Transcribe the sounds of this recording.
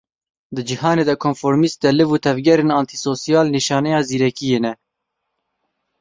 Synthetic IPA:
d̪ɨd͡ʒiɦɑːneːd̪ɛkʰonfoɾmist̪̚d̪ɛlɨvuːt̪ʰɛvɡɛɾeːnɑːnt̪ʰisoːsijɑːlniʃɑːnɛjɑːziːɾɛkijeːnɛ

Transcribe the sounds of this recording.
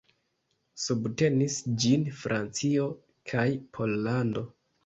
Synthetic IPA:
subte̞nisd͡ʒinfɾʔant͡sio̞ | kʰajpʰo̞lːando̞

